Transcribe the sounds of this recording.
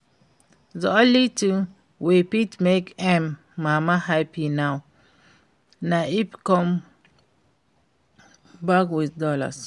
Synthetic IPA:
zɔlitu | wepitmekɛmː | amahajpinaw | naipkɔm | bakwitdɔla̰s

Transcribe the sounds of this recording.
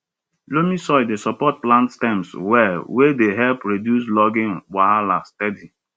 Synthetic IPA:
lomisɔɪdesɔpɔt̚plãntstɛ̃mswɛwedeɦɛlpɹedjuslɔɡɪ̃nwaalastɛdi

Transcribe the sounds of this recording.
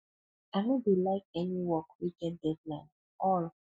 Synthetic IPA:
amibilaɪk̚ɛniwɔkwikɛ̃ndɛdlãɪ̃n | ɔl

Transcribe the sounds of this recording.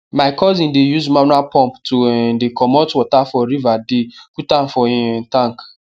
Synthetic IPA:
maɪkɔzĩndejuzmanwapɔ̃mptundekʰɔmɔtwɔtafɔɾivadikutam̩fɔitãŋk

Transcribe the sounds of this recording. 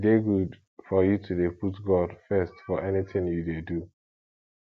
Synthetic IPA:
deɡud | fɔjutʰudeputɡɔdfɛstfɔʔɛnitɪ̃ŋjudedu

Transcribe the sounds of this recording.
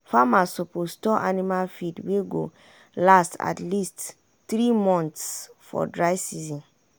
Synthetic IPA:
famasopostɔʔanimalfidweɡo̰ | lastʰa̰tlist | θɹimɔ̃nt̪sfɔ̰dɹaɪsizĩn

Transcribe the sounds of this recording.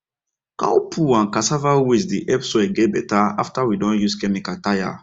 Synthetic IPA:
ka̰wpʰuãnkasavawisdiʔɛpsɔeɡɛbɛtaa̰ftawidɔ̃njuskɛmikataja̰

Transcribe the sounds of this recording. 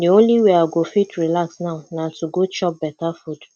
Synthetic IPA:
deõnliweaɡofitɹilaksnaʊnatuɡot͡ʃɔp̚bɛtafud

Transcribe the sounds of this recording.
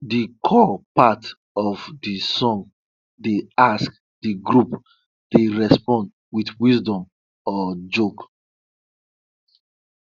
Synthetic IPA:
dikʰɔpat | ɔvdisɔ̃ŋ | deask̚ | diɡɹup | d̥eɹɛspɔ̃nd | wiθwisdɔ̃m | ɔd͡ʒok

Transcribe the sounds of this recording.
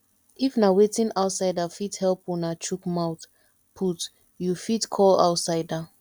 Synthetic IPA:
ifnawetĩnaʊtsaɪdafithɛlpɔnat͡ʃukmaʊt | pʰut | jufitkʰɔla̰ʊtsaɪda

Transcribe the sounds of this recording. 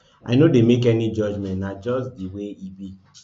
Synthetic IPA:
ʔa̰ɪnodemekɛnid͡ʒɔd͡ʒmɛ̃ntnad͡ʒɔsdiweibi

